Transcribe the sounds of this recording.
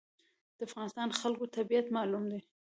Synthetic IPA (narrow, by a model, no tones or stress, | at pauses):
d̪̥əafɣɑnɪst̪ɑnxalkot̪abijat̪mɑlumd̪e